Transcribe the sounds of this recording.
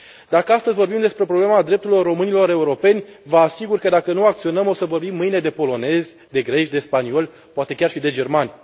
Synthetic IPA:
d̪akəast̪əzʲvo̞rbimd̪e̞spɾe̞pɾoble̞mad̪ɾep̚t̪uɾilo̞rːo̞mɨnilo̞ɾe̞uɾo̞pe̞nʲvəasiɡurkəd̪akənuakt̪sio̞nəmo̞səvo̞rbimːɨjne̞d̪e̞po̞lo̞ne̞zʲ | d̪e̞ɡɾe̞ʃd̪e̞spanio̞lʲ | poat̪ekʲarʃid̪e̞d͡ʒe̞rmanʲ

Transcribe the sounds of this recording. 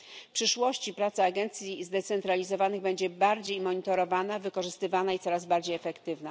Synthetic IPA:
fpʂɘʂwɔɕt͡ɕipɾat̪saːɡɛnt̪sʲjizd̪ɛt̪sɛnt̪ɾalʲizɔvanɘɣbɛɲd͡ʑɛbaɾd͡ʑejmɔɲit̪ɔɾɔvanavɘkɔʐɘst̪ɘvanait̪sɔɾazbaɾd͡ʑejɛfɛkt̪ɘvna

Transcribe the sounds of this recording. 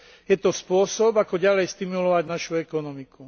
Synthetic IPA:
jɛt̪ɔspʊɔsɔbakɔɟalɛjst̪imulɔʋaɟnaʃuɛkɔnɔmiku

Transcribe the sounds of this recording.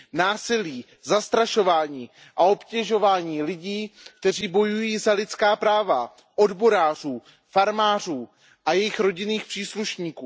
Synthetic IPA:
naːsɪliː | zast̪ɾaʃo̞vaːɲiː | ʔao̞pcɛʒo̞vaːɲiːlɪɟiːk̚t̪ɛr̝iːbo̞jujiːzalɪt͡skaːpɾaːva | ʔo̞dbo̞ɾaːr̝uː | faɾmaːr̝uː | ʔajɛjɪxɾo̞ɟɪniːxpr̥iːsluʃɲiːkuː

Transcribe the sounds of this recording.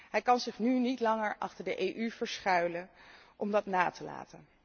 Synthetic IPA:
ɦɛjkɑnzɪχnynitlɑŋəɹʔɑχtəɹdəʔejʔyvəɹsχœɥlə | ʔɔmdɑtnaːtəla̰ːtən

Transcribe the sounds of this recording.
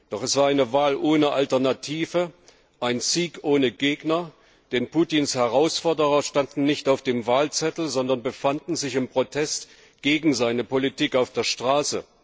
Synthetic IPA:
d̥ɔχɛsv̥aːɐaɪnəvaːlʔoːnəʔaltɛɐnatʰiːvə | ʔaɪnziːkʔoːnəɡeːɡnɐ | d̥ɛnpʰuːtinshɛʁaʊsfɔɐdəʁɐʃtandn̩nɪçtaʊfd̥eːmvaːlt͡sɛtl̩zɔndɐnbəfandn̩zɪçɪmpʁ̥otʰɛst | ɡ̥eːɡŋ̩zaɪnəpolitiːkaʊfd̥eːɐʃtʁ̥aːsə

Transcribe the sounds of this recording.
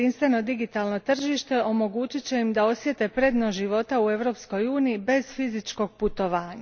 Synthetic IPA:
inst̪ʋe̞no̞d̪iɡit̪alˠno̞t̪r̩ʒiːʃt̪e̞ʔo̞mo̞ɡuːt͡ɕit͡ɕe̞imd̪ao̞sʋje̞t̪e̞pɾe̞d̪noʒiʋo̞t̪aue̞ʋɾo̞ːpsko̞juːniibe̞zfizit͡ʃko̞ɡ̚put̪o̞ʋaːɲa

